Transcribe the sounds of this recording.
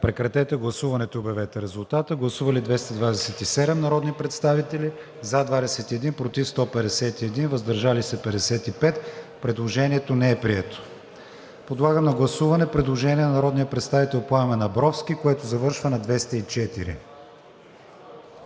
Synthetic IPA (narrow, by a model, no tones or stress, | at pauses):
pɾɛkɾɐt̪ɛt̪ɛɡlˠɐsuvɐnɛt̪obɛvɛt̪ɛɾɛzulˠt̪at̪əɡlˠɐsuvɐlid̪vɛst̪ɐd̪vad̪ɛsɛt̪isɛd̪ɛmnɐɾɔd̪nipɾɛt̪st̪avit̪ɛli | zad̪vad̪ɛsɛt̪iɛd̪inpɾot̪ifst̪ɔpɛd̪ɛsɛt̪iɛd̪invɐzd̪ɐɾʒalisɛpɛd̪ɛsɛt̪ipɛt̪pɾɛd̪lˠoʒɛniɛt̪onɛɛpɾiɛt̪o̥ | pod̪lˠaɡəmnɐɡlˠɐsuvɐnɛpɾɛd̪lˠoʒɛniɛnɐnɐɾɔd̪nijəpɾɛt̪st̪avit̪ɛlˠpʊamɛnɐbɾɔfsk̟ikoɛt̪ozɐvɤɾʃvənɐd̪vɛst̪ɐit͡ʃɛt̪iɾḭ